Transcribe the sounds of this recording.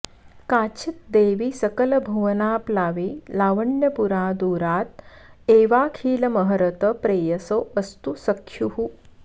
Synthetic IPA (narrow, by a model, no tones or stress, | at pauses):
kaːt͡ɕʰit̪̚d̪eːʋiːsɐkɐlɐbʱuʋɐnaːplaːʋiːlaːʋɐɳjɐpuɾaːd̪uːɾaːt̪̚eːʋaːkʰiːlɐmɐɦɐɾɐt̪əpɾeːjɐsoəst̪usɐkʰːjuɦu